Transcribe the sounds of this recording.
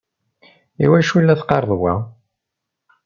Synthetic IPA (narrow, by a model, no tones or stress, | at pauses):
iwæʃulːæθqɑɾˤðˤwæ